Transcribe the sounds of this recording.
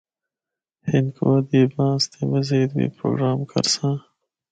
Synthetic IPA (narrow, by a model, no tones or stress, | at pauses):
hɪnkʰoad̪iːbɑ̃ːst̪emɐzeːd̪wḭːpɾo̰ːɡɾɑːmkʰɐ̰ɾsãː